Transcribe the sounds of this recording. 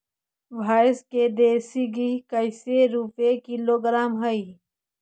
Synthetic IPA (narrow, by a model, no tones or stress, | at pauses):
ʋʱaːsked̪eːsiɡikəɪseɾuːpekiloːɡɾaːmɦɐi